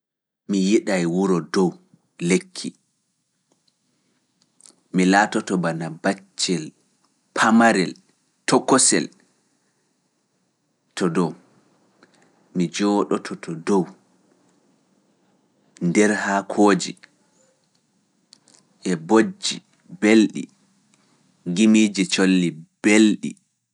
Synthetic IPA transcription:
mijiɗajwuɾɔdɔw | lekʰːi | milaːtɔtɔbanabat͡ʃːɛl | pʰamaɾɛl | tɔkːɔsɛ̰l | tɔdɔw | mid͡ʒɔːɗɔtʰɔtʰɔdɔw | ndɛɾhakʰoːd͡ʒi | ʔɛbod͡ʒi | belɗḭ | ŋɡimiːd͡ʒit͡ʃolːib̥elɗḭ

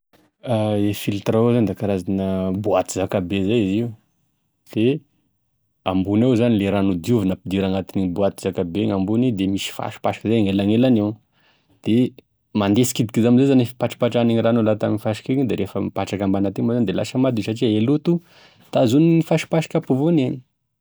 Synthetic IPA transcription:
aefilt̪raozand̪akaɾazanəbuat̪izakabezajiziu | d̪̥e | ambunewzanileɾanud̪iuvinapid̪iɾaŋat̪inibuat̪iz̥akabeŋambunid̪emisi̥fa̰ʃi̥paʃḁkəzajaŋelaŋelanew | d̪̥e | mand̪esi̥kid̪ikizaminzezanifi̥paʈ͡ʂi̥paʈ͡ʂaneɲiranolat̪aminifaʃi̥kiɲid̪eɾefəmpaʈ͡ʂakambanat̪emazand̪ela̰səmad̪isaʈ͡ʂielut̪u | t̪azuniifaʃi̥paʃi̥kʲapuvuneni̥

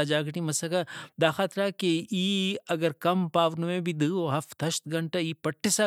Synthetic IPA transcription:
ad͡ʒaːɡʈimɐsɐkad̪aːxaːt̪ɾakeiːɐɡəɾkɐmpaːʋnʋẽbʱid̪ɨoɦɐft̪ɐʃt̪ɡɐɳʈaiːpɐʈʰːɪsa

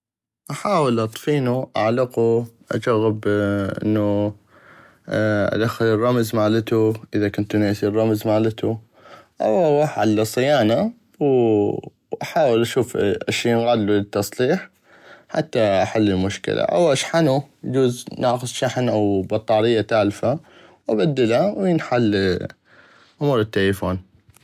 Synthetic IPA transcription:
ʔaħaːwɪlʔɑt̪ˤfiːnuʔa̰ʕlɪquʔa̰d͡ʒaɣːɪbʔɪ̰nːu | ʔa̰d̪axːɪlɪrˤːɑmzmaːlɪt̪uʔɪðakʊnt̪neʔsirˤːɑmzmaːlɪt̪u | ʔawaħʕalːasˤɨjaːna | w | ʔaħaːwɪlʔaʃuːfʔaʃːiːnɣaːd̪lulɪt̪ːɑsˤliːħ | ħat̪ːaʔaħalːɪlmʊʃkɪ̰lʔa̰ʔa̰wʔaʃħanujd͡ʒuːznaːxʊsˤʃaħnʔawbɑt̪ˤːɑːɾɪjːat̪aːlfa | wʔabad̪ːɪlawnħalː | ʔʊmuːɾɪt̪ːelfoːn

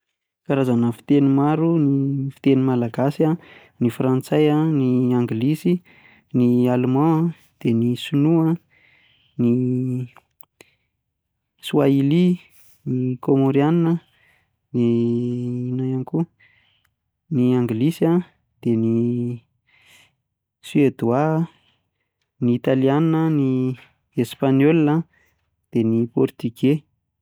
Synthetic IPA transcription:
kaɾazanəfi̥t̪enimaɾunifi̥t̪enimalaɡasia | nifrant͡sajaniaŋɡilisi | nialmã | d̪̥enisunua | ni | suaili | nikomoɾianinə | ni | inajaniku | niaŋɡlisja | d̪̥eni | swed̪ua | niːt̪alianinəni | espanolnə | d̪̥enipɔrt̪yɡe

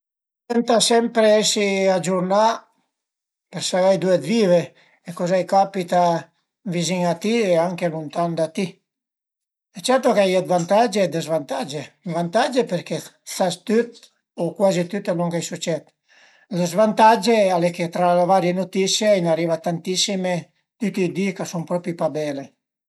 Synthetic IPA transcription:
t̪ɛnt̪asɛmpɾeesiad͡ʒuɾna | peɾsaajd̪ued̪vive | ekozajkapit̪a | viziŋat̪ieaŋkelunt̪and̪at̪i | ɛt͡ʃɛɾt̪okeajet̪vant̪ad͡ʒed̪ezvant̪ad͡ʒevant̪ad͡ʒepeɾkesast̪yt̪ | okwazit̪yt̪enuŋkajsut͡ʃɛt̪ | lezvant̪ad͡ʒealeket̪ɾalevaɾjenot̪isjainarivat̪ant̪isime | t̪yt̪iːd̪ikasumpɾɔpipabɛle

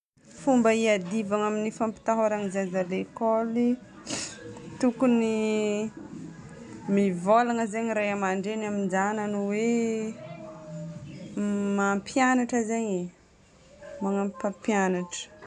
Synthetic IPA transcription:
fumbəiad̪ivaŋaminifampi̥t̪aɦaɾaŋizazalekoli | t̪ukuni | mivolaŋəzaɲɾajamaɳɖ͡ʐenamind͡ʒananuwe | mampʰjanaʈ͡ʂəzaɲi | maŋampapjanaʈ͡ʂə̥

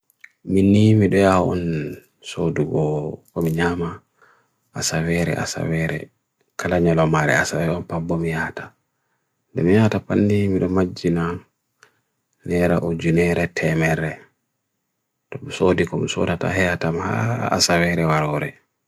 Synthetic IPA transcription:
minimiɗɔjaɔɔn | soduɡɔkɔmiɲama | ʔasawɛɾɛ̰ʔa̰sa̰wɛɾɛ̰ | kʰalaɲalɔmaɾɛ̰asawɛɔnpabːɔmijaːtḁ | dɛmijatapanːimiɗɔmad͡ʒːina | nɛɾa̰ʔod͡ʒunɛɾɛtʰɛmɛɾɛ | tɔsodikɔmiso̰data̰hɛjatamha̰a̰sawɛɾɛwaɾɔɾɛ̰

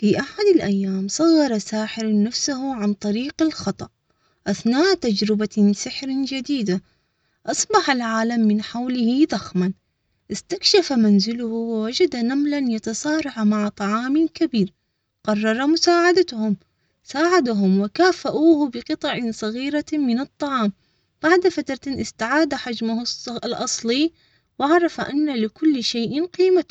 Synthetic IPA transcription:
fiːʔaħad̪ɪlʔajːaːmsˤɑɣːɑɾˤɑsaːħɪɾnafsaɦʊʕant̪ˤɑɾiːqɪlxɑt̪ˤɑʔ | ʔaθnaːʔt̪ad͡ʒɾɪbasɪħɾɪd͡ʒad̪iːd̪a | ʔɑsˤbɑħalʕaːlamːɪnħawlɪhiðˤaxman | ʔɪst̪akʃafamanzɪlʊhʊwɪwad͡ʒad̪anamlanjɑt̪ɑsˤɑːɾˤɑħmaʕt̪ˤɑʕɑːmɪkabiːɾ | qɑrˤːɑɾˤamʊsaːʕad̪at̪hʊm | saːʕad̪aɦʊmwɪkaːfaʔuːhbɪqɨt̪ˤɑʕɪsˤɑɣiːɾamɪnɨt̪ˤːɑʕɑːm | b̥aʕd̪afat̪ɾˤt̪ɪnʔɪst̪aʕaːd̪aħad͡ʒmʊhʊslʔɑsˤli | wɪʕɑɾˤɑfaʔanːalɪkʊlːʃeːʔɪnqiːma

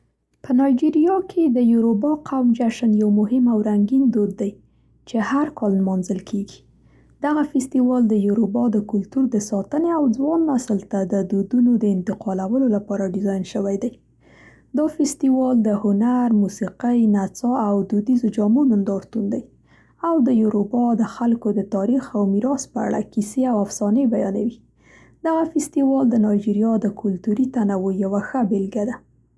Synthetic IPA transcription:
pənɑjd͡ʒiɾijɑkʰed̪əjuɾobɑqʰawmd͡ʒaʃənjawmʊɦɪmawɾaŋɡind̪od̪ːaj | t͡ʃehaɾkɑllmɑnzəlkʰeɡi̥ | d̪̥aɣafɪst̪iwɑld̪əjuɾubɑd̪əkʊlt̪uɾd̪əsɑt̪əneawd͡zwɑnːasəlt̪ad̪əd̪od̪unod̪əɪnt̪ɪqɑlawəlolapɑɾaɖɪzɑjnʃəwajd̪aj | d̪ɑfɪst̪iwɑld̪əhʊnaɾmusiqajnat͡sɑawd̪ud̪izod͡ʒɑmunʊnd̪ɑɾt̪und̪aj | awd̪əjuɾobɑd̪əxalkod̪ət̪ɑɾixawmiɾɑspəa̰ɽa̰kiseawafsɑnəjbajɑnawi | d̪̥aɣafɪst̪iwɑld̪ənɑjd͡ʒiɾjɑd̪əkʰʊlt̪uɾit̪anawojawaxəbɪlɡad̪a

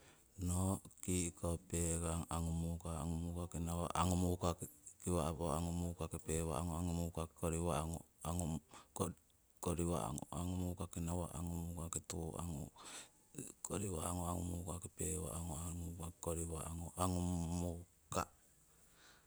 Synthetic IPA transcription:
nokikopeɡaŋaŋumukaaŋumukakinawa̰ʔaŋumukakkiwaβoaŋumukakepewa̰aŋoaŋumukakoɾiwaŋo | aŋuko | koɾiwa̰a̰ŋo̰aŋumukakinawaʔa̰ŋumukaketua̰ŋṵ | koɾiwaaŋoaŋumukakepewa̰ʔaŋoamukakoɾiwaŋoʔaŋumuka̰

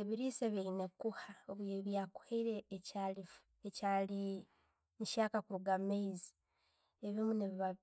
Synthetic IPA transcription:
eβiɾiseβeinekuhaoβeβjaku̥heiɾeːcalifu | ecali | muʃaːkakuɾuɡameizi | eβimuneβiβa

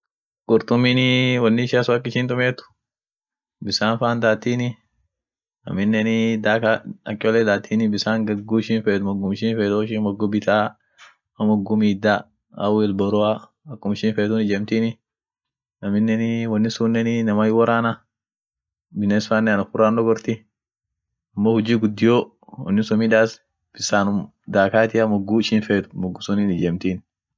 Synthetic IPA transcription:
ɡ̥ʊɾt̪ʊminɪwɐnːɪʃasʊɐk̬ːɪʃiːnt̪ʊmeːt̪ʊ̥ | bɪsaːnfaːnd̪aːt̪ːiːnɪ | ɐ̰mɪnːɛnɪd̪aːkaɐ̰kʼːɪɔlɛd̪aːt̪ʰːiːnɪbɪsaːŋɡɐɡuːɪʃiːnfeːt̪ʊmɔɡʊmɪʃiːnfeːt̪oɪʃinbɐɡɔbɪt̪aː | ɐmɔɡʊmiːd̪a | ɐ̰wɛlbɐɾʊa | ɐkːʊmɪʃiːnfeːt̪ʊnɪd͡ʒeːmt̪iːnɪ | nɐmɪnːɛnwɐnːɪsunːɛnɪnɐmajwɔɾaːnɐ | bɪnːesfaːnːɛnɐfʊrːaːndɔɡɔɾt̪ɪ | ɐmːoːhʊd͡ʒiːɡʊd̪ːɪjoː | wɐ̰nːɪsɔmiᶑaːs | b̥ɪsaːnʊm | d̪aːkaːt̪ɪɐmɔɡːuɪʃiːnfeːt̪ʊ̥mɔɡːʊsɔniːnɪd͡ʒɛːmt̪iːn

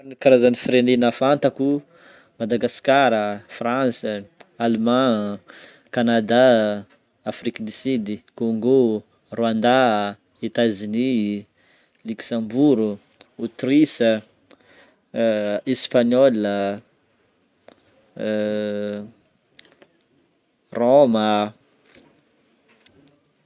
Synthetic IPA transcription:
anikaɾazanifiɾenenafant̪aku | mad̪aɡaskaɾəfrãnsəalemã | kanad̪a | afrikd̪isid̪ikoŋɡo | rwand̪a | it̪azini | luksãmbuɾu | ut̪ɾisə | espaɲɔlə | romə

